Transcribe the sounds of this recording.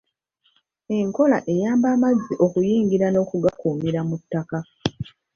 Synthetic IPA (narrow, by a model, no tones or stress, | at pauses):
e̞ŋko̞laʔe̞jaːmbaːmazːiʔo̞kujiːŋɡiɾano̞ːkuɡakuːmiɾamutːaka